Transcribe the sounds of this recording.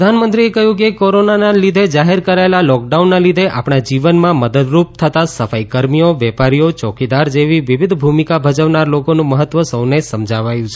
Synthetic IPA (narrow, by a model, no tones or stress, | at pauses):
d̪ʱanmənt̪ɾiekəɦjũk̬ekoɾonanalid̪ʱed͡ʒaɦeɾkəɾaelalɔk̚ɖaunːalid̪ʱeʔa̰pɽad͡ʒiʋənmãməd̪əd̪ɾup̚t̪ʰət̪asəfajkəɾmijoʋɛpaɾijot͡ʃɔkid̪aɾd͡ʒeʋiʋiʋid̪ʱbʱumikabʱəd͡ʒəʋnaɾlokonũməɦət̪ʋəsəwnesəmd͡ʒʱaʋajũt͡ʃʰe